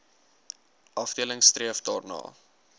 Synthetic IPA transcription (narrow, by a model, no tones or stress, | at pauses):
ʔɐfdiələŋstriəfdɑːrnɑ̰ː